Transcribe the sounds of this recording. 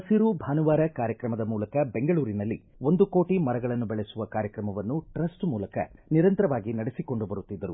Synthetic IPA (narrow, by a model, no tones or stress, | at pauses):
ɐsiɾubʱaːnuʋaːɾɐkaːɾjɐkɾɐmɐd̪ɐmuːlɐkɐbe̞ŋɡɐɭuːɾinɐlːi | o̞nd̪ukoːʈimɐɾɐɡɐɭɐnːubɛɭesuʋɐkaːɾjɐkɾɐmɐʋɐnːuʈɾɐsʈmuːlɐkɐ̰niɾɐnt̪ɐɾɐʋaːɡinɐɽisiko̞ɳɖubɐɾut̪ːid̪ːɐɾu